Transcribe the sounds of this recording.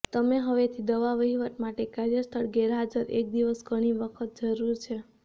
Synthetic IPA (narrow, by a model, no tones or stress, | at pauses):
t̪əmeɦəʋet̪ʰid̪əʋaʋəɦiʋət̪maʈekaɾjəst̪ʰəɭɡɛɾɦad͡ʒəɾʔḛk̚d̪iʋəsɡəɽ̃iʋəkʰət̪̚d͡ʒəɾuɾt͡ʃʰe